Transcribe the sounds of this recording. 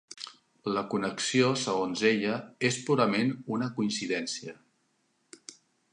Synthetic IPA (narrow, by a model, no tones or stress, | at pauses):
ləkunəksiosəɣ̞onzeʎəespuɾəmenunəkuinsiðɛnsiə